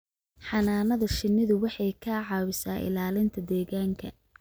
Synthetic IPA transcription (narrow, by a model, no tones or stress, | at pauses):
ħɑnaːnɐðɐʃɪnːɪðʊwɑħɑjkʰaʕɑːwɪsaːʔɪ̰laːlɪnt̪ʰɐd̪ɛːɣaːŋkʰɐ